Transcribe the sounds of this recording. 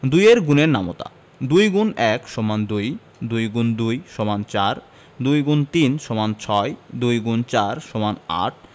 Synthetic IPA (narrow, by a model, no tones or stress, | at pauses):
d̪ujeɾɡuneɾnamo̰t̪a̰ | d̪ujɡunɛkʃɔmand̪uj | d̪ujɡund̪ujʃomant͡ɕaɾ | d̪ujɡunt̪inʃɔmant͡ɕʰɔed̪ujɡunt͡ɕaɾʃomana̰ʈʰ